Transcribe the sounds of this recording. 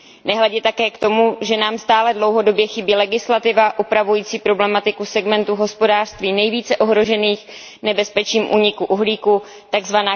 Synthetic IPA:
nɛɦlɛɟɛt̪akɛːkt̪o̞muʒɛnaːmst̪aːlɛdlo̞wɦo̞do̞bjɛxɪbiːlɛɡɪslat̪ɪvaʔupɾavujiːt͡siːpɾo̞blɛmat̪ɪkusɛɡmɛnt̪uɦo̞spo̞daːr̥st̪viːnɛjviːt͡sɛʔo̞ɦɾo̞ʒɛniːx | nɛbɛspɛt͡ʃɲiːmʔuːɲɪkuʔuɦliːku | t̪aɡzvanaː

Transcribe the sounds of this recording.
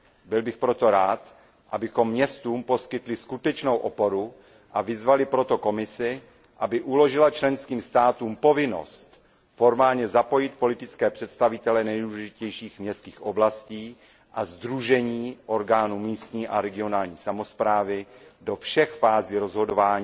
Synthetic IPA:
bɪlbɪxpɾo̞t̪o̞ɾaːt̪ | ʔabɪxo̞mːɲɛst̪uːmpo̞skɪt̪lɪskut̪ɛt͡ʃnowʔopo̞ɾu | ʔavɪzvalɪpɾo̞t̪o̞ko̞mɪsɪ | ʔabɪʔulo̞ʒɪlat͡ʃlɛnskiːmst̪aːt̪uːmpo̞vɪno̞̰st̪ | fo̞ɾmaːlɲɛzapo̞jɪt̪̚po̞lɪt̪ɪtt͡skɛːpr̝̥ɛt̪st̪avɪt̪ɛlɛnɛjduːlɛʒɪcɛjʃiːxmɲɛst̪kiːxʔoblasciː | ʔazd̪ɾuʒɛɲiːʔo̞ɾɡaːnuːmiːst̪ɲiːʔaɾɛɡɪo̞naːlɲiːsamo̞spɾaːvɪdo̞fʃɛxfaːziːɾo̞zɦo̞do̞vaːɲiː

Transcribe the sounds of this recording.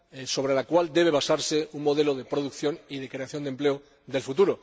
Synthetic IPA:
so̞β̞ɾe̞lakwald̪e̞β̞e̞β̞asaɾse̞uŋmo̞ð̞e̞loðe̞pɾo̞ðukθjo̞niðe̞kɾe̞aθjo̞nd̪emple̞o | ðe̞lfut̪uɾo̞

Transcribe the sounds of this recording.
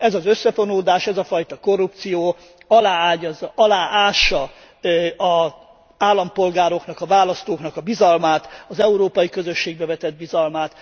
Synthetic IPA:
ɛzɒzø̞sːɛfo̞noːd̪aːʃɛzɒfɒjt̪ɒko̞rːup̚t̪sijoː | ɒlaːaːɟɒzʔɒlaːʔaːʃːɒ | ɒ | aːlːɒmpo̞lɡaːɾo̞knɒkɒvaːlɒst̪oːknɒkɒbizɒlmaːt̪ɒzɛuɾoːpɒjikø̞zø̞ʃːeːɡbɛvɛt̪ɛd̪̚bizɒlmaːt̪

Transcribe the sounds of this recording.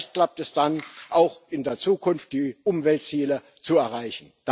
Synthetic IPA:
çst̚klap̚tɛsd̥anʔaʊxɪndeːɐt͡suːkʰʊnft̚d̥iːʔʊmvɛltt͡siːlə | t͡suɛɐʁaɪçn̩d̥

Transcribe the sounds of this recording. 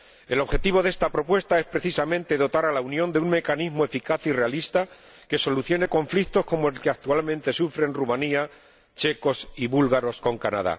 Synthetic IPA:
e̞lo̞βxe̞t̪iβ̞o̞ðest̪apɾo̞pwe̞st̪ae̞spɾe̞θisamẽ̞nt̪e̞ðo̞t̪aɾalaunjõ̞nd̪euŋme̞kanizmoe̞fikaθire̞alist̪a | ke̞so̞luθjo̞ne̞ko̞ɱflikt̪o̞sko̞moe̞lkeak̚t̪ualmẽnt̪e̞sufɾe̞nrumania | t͡ʃe̞ko̞siβulɣaɾo̞sko̞ŋkana̰ð̞a̰

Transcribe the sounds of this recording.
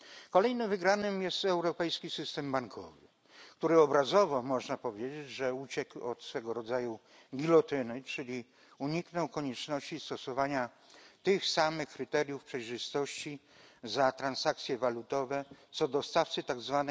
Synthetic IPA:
kɔlɛjnɘmvɘɡɾanɘmjɛst̪ɛwɾɔpɛjskʲisɘst̪ɛmbaŋkʰɔvɘ̰ | kt̪uɾɘɔbɾazɔvɔmɔʐnapɔvʲjed͡ʑed͡ʑʐɛut͡ɕɛkɔ̰t̪sfɛɡɔɾɔd̪zaju | ɡʲilɔt̪ɘnɘt͡ʂɘlʲi | uɲiknɔwkɔɲɛt͡ʂnɔɕt͡ɕist̪ɔsɔvaɲa | t̪ɘxsamɘxkɾɘt̪ɛɾʲjufpʂɛjʐɘst̪ɔɕt͡ɕi | zat̪ɾansak̚t̪sʲjɛvalut̪ɔvɛt̪sɔd̪ɔst̪aft̪sɘt̪aɡzvanɛ

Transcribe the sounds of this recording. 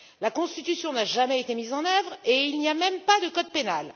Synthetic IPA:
lakɔ̃st̪it̪ysjɔ̃naʒamɛet̪emizɑ̃nœvʁeilniamɛmpad̪əkɔd̪̚penal

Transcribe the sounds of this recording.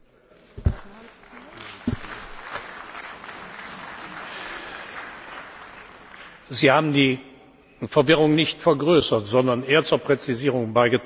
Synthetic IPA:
ziːhaːbm̩diː | fɛɐvɪʁʊŋnɪçtfɛɐɡʁøːsɐtz̥ɔndɐnʔeːɐt͡suːɐpʁ̥ɛt͡siziːʁʊŋbaɪɡət

